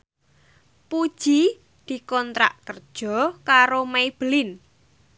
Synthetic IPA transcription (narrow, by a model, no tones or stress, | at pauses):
pud̥ʒ̥i | d̪̥i̤kɔnt̪ɾa̰ʔkərd̥ʒ̥ɔ̤kaɾomaib̥əlɪn